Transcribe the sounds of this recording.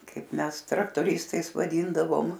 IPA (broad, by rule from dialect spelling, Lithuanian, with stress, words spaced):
ˈkɐɪp ˈmʲɛs trɐktoːˈrʲɪstɐɪs ʋɐˈdʲiːndɐʋoːm